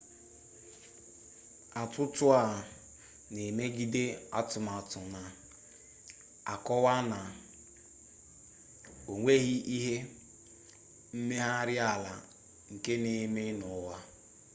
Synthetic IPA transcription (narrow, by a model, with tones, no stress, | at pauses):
a˨tʊ˦tʊ˦a˨ | ne˨me˦ɡi˦de˦a̰˦tʊ˨ma˨tʊ˨na˨ | a̰˨kɔ˦wa˦na˨ | o˨ŋʷe˦ɣi˦i˦ɦe˦ | m̩˦me˦ɦa˦ɾɪ˦a˨la˨ | ŋ̩˨ke˦ne˨me˦nʊ˨˦wa˦